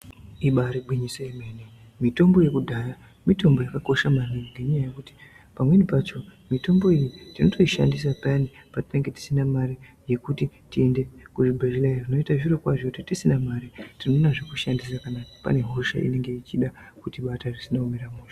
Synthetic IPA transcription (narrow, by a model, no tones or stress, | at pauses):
iɓaɾiɓwiɲisoimeni | mito̞mbo̞je̞kudʱaːja | mito̞mbo̞jakako̞ʃamaniŋɡeɲajajekuti̥ | pamwe̞nipat͡ʃo̞mito̞mbo̞ijitino̞tʰo̞iʃa̰ndis̬apanipati̥neŋɡe̞ti̥sinamaɾije̞kutitie̞nde̞kuʐibʱeʒilairino̞itaʐirokwaʐokutitisinamaɾitinonaʐekuʃandis̬akanapa̰ne̞ɦoʃa̰ʔḭne̞ŋɡe̞it͡ʃiɗa | kutiɓatarisinaumeramuːʃa